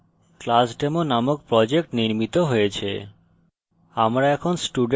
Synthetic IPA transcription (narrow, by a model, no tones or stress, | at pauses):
klasɖemonamok̚pɾɔd͡ʑek̚ʈniɾmit̪oɦojet͡ɕʰḛ | amɾaɛkʰonsʈuɖ